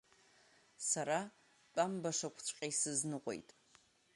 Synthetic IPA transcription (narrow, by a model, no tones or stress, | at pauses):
saɾa | t͡pʼambaʂakʷʰt͡ɕʷʰʼqʲʼajsɨznɨqʷʼo̞̰jtʼ